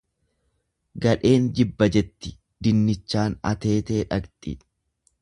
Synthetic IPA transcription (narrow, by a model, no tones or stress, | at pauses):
ɡɐᶑe̞ːnd͡ʒɪbːɐd͡ʒɛt̪ːɪ̥ | d̪ɪnːɪt͡ʃːaːnɐ̰t̪e̞ːt̪e̞ːᶑɐɡt̪ʼḭᶑ